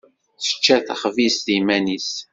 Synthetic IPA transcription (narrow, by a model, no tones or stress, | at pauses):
θə̥t͡ʃːæθaχvisðimænis